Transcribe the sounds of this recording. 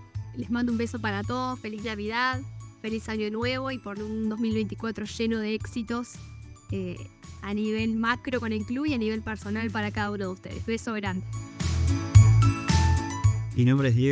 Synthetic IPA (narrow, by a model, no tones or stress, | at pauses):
lezmãnd̪oumbeso̞paɾat̪oðosfeliznaβiðaðfe̞lisaɲoenweβo̞ipoɾund̪ozmilβejnt̪i̥kwat̪ɾoʒenoðeeksit̪o̞seaniβelmakɾoko̞nelkluβianiβ̞e̞lpeɾso̞nalpaɾakaðaunoð̞eust̪ḛðḛzβe̞so̞ɣɾand̪e | minõmbɾeðj